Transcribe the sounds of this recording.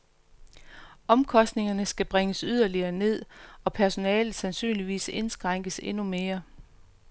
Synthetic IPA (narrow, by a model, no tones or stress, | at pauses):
ɒ̽mkʰɒ̽sd̥ne̝ŋɐnəsɡ̥æb̥ʁeŋəsyð̞ˠɐliɐːne̝ð̰ˠɒ̽pʰæɐso̝nɛːlð̩ˠsænsy̰ːnliʋḭːse̝nsɡ̥ʁɑ̈ŋ̰ɡ̥əse̝nume̝ːɐ